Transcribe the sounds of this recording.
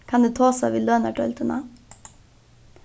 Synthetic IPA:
kʰɑnd̪ʉːt̪ʰɑːsɑ̰ʋiløːnəʈʰœlt̪ənɑ̰

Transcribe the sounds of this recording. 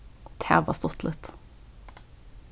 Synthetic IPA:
t̪ʰæ̰ːʋɑ̰ːst̪ɔt̪lət̪

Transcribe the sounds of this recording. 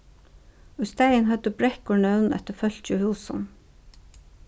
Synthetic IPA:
oːiːst̪æɪənhœd̪əbɹɛkɔɳœʉnʔɛ̰t̪əfœlt͡ʃəhuːsɑ̰n

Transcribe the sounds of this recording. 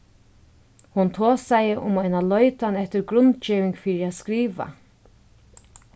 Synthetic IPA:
hʊnt̪ʰoːsajɪʔʊ̰majnalɔʏt̪anɛht̪ɪɾɡɾʊnt̪t͡ʃiːʋɪŋkfiːɾiad̪skɾiːʋa̰

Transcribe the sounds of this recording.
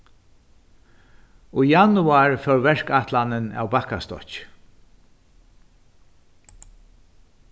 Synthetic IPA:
ujanʊaɹfɛwvɛɹkaht̪lanɪna̰ːwbahkast̪ɔ̰t͡ʃ

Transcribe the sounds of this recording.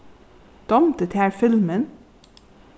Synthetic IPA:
d̪̥ɑmt̪ət̪hæːɹfɪlmən

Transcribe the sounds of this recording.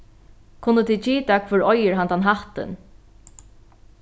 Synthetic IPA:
kʰʊnːət̪ʰit͡ʃiːt̪akʰvʏɹɔjəɹɦant̪anɦaht̪ɪ̰n

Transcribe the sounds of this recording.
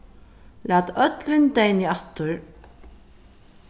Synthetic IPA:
læːt̪œt̪lɪnt̪ejnɪaht̪ːʊɹ

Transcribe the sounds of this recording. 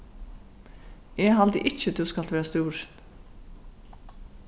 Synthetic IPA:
ɛːɦɑld̪ə̰ʔɪt͡ʃːəd̪ʉːskɑlt̪ʋeːɾast̪uːɹ

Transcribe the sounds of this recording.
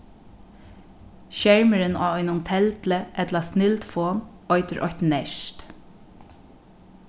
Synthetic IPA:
ʃɛɹməɾɪna̰ːɔjnʊnt̪ʰɛlt̪ləʔɛt̪lɑsnɪlt̪foːn | ɔʏt̪əɹʔɔ̰çt̪nɛʃt̪

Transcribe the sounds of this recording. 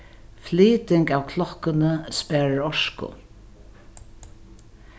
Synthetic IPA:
fliːt̪ɪŋkaːwkʰlɔkənəspæːɹaɾɔʂkʊ̰

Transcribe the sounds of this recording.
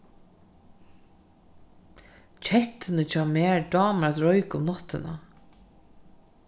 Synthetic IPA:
t͡ʃʰɛht̪ːɪnət͡ɕʰɑːmɛːɹɖɑːmaɾat̪ɾɔjkʊmnɔt̪ːɪna̰

